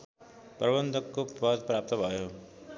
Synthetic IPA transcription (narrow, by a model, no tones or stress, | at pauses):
prʌbʌnd̪ʱʌkːopad̪̚pɾap̚t̪ʌbʱʌjo